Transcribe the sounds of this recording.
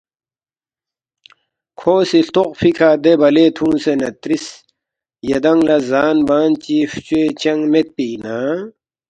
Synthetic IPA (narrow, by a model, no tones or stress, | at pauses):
kʰoːsiɬt̪oqfikʰaːd̪ebɐleːt̪ʰũːnsenɐt̪ɾis | jɐd̪ɐŋlɐzaːnbaːnt͡ɕiːft͡ɕeːt͡ɕɐŋɡmet̪̚piːnaː